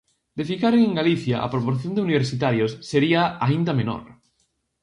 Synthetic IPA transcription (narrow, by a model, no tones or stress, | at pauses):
d̪efikaɾeŋeŋɡaliθjaʔa̰pɾopoɾθjond̪euniβeɾsit̪aɾjosːeɾiaaind̪ameno̰ɾ